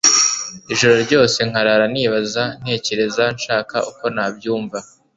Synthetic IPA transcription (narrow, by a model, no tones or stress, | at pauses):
iʒo̞ɾo̞ɾɟo̞ːse̞ŋ̥aɾaɾaniːβazan̥he̞ːce̞ɾe̞zanʃaːkauko̞naːbɟuːɱva